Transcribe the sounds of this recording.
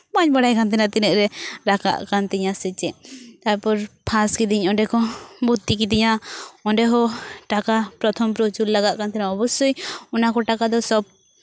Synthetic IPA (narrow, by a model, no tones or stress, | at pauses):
maɲbaɽajkant̪ɛnat̪ɛnɛʔɾɛɾaka̰ʔkant̪ɛɲasɛt͡ʃɛʔt̪ajpɔɾpʰaskid̪iɲɔɖɛkɔbut̪ːikid̪iɲaɔɳɖɛɦɔʈakapɾɔt̪ʰɔmpɾot͡ʃullaɡaʔkant̪ɛnaɔbɔsujɔnakɔʈakad̪ɔsɔb̚